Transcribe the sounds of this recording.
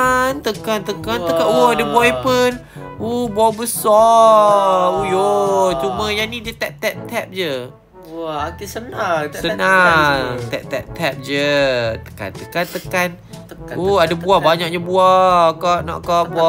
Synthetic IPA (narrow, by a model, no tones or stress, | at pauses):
ant̪əkant̪əkanəkaʔuadabuaipən | ubuabəsɔ | ujot͡ʃumə̃janid͡ʒət̪ɛʔ̚t̪ɛʔ̚t̪ʰɛp̚d͡ʒə | kesənasəna | t̪ɛʔ̚t̪ɛʔ̚t̪ʰɛp̚d͡ʒət̪ə̥ka̰nt̪əkant̪əkan | uadabuahbaɲak̚ɲabuakaʔnɔ̰ʔkaʔbua